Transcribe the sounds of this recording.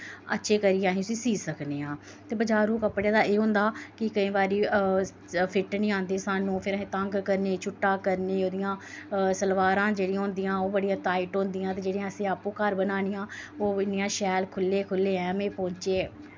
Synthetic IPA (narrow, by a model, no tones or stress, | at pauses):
ə̰tːʃʰeːkəɾijãːɦĩːʊsĩːsiːsəkneːãː | t̪eːbəd͡ʒaːɾũːkəpɽjaːd̪aːeːɦʊ̃nd̪aːkɪkəĩːbaːɾiː | pʰɪʈnĩːãːnd̪eːsaːnũːpʰɪɾəɦẽːt̪əŋɡkəɾneːt͡ʃʰʊʈːaːkəɾneːoːd̪ɪjãː | səlʋaːɾãːd͡ʒeːɽiãːɦʊ̃nd̪ijãːoːbəɽijãːt̪aːɪʈɦõːnd̪ɪjãːt̪eːd͡ʒeːɽijãːəsẽːaːpũːkəɾbənaːnɪjãːoːɪnijãːʃɛːlkʰʊlːeːkʰʊlːeːɛ̃ːmẽːpõːɲt͡ʃeː